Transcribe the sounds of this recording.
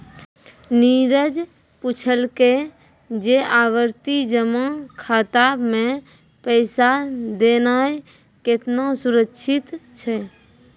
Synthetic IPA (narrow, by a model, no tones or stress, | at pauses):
niːɾəd͡ʒ | pʊt͡ʃʰəlke | d͡ʒeaːwəɾt̪id͡ʒəmakʰat̪aːbmẽ | pəɪsad̪eːnaːe | kɪt̪nasʊɾəkːʃʰɪt̪t͡ʃʰɛ